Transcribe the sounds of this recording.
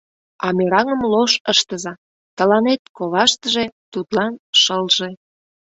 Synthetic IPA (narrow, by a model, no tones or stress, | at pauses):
ɑmeɾɑŋəmloʃəʃt̪əzɑ | t̪əlɑnet̪̚koβɑʃt̪əʒe̽t̪ut̪lɑnʃəlʒe